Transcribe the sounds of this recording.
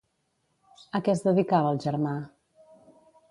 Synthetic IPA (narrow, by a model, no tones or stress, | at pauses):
əkɛzðəðikaβəːlˠʒəɾma